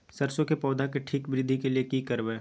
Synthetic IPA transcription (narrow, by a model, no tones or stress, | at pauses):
sɐɾsõkepɔːd̪akeʈʰiːkbɾɪd̪ʱikeliekikəɾʋeː